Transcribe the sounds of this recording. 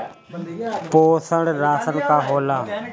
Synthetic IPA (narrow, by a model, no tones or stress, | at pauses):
poːsəɽɾaːsənkaːɦoːlaː